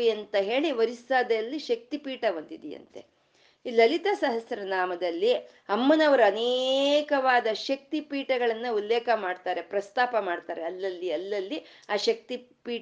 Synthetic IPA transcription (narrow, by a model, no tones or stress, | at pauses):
iɐnt̪ɐɦe̞ːɭiʋɐɾisaːd̪ɐjɐlːiʃɐk̚t̪ipiːʈɐʋɐnd̪id̪ɛjɐ̰nt̪e̞̰ | ilɐlit̪ɐsɐɦɐsjɐɾɐnaːmɐd̪ɐlːi | ɐmːɐnɐʋɐɾuɐnekɐʋaːd̪ɐʃɐk̚t̪ipiːʈɐɡɐɭɐnːɐulːɛːkɐmaːɖt̪aːɾe̞pɾɐst̪aːpɐmaːɖt̪aːɾe̞ɐlːɐlːiɐlːɐlːi | aːʃɐk̚t̪ipiː